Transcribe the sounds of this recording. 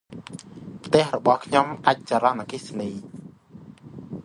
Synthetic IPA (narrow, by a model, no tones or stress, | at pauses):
pʰt̪ɛ̆əhrɔɓɑhkʰɲomʔac̚t͡ɕaːɾɑnʔakisniː